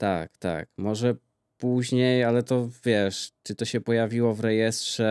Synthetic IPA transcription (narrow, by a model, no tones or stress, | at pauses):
t̪a̰kt̪a̰k̚mɔʐɛ | puʑɲejalɛt̪ɔvʲjɛʂt͡ʂɘt̪ɔɕɛpɔjavʲiwɔvɾɛjɛst̪ʂɛ